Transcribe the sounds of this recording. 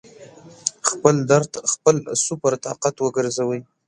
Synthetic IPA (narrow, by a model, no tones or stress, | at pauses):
xpəld̪aɾxpəlsʊpaɾt̪ɑ̰qat̪wəɡəɾzawəj